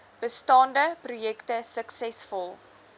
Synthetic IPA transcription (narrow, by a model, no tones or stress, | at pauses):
b̥əstɑːndəprujɛktəsəksɛsfɔlˠ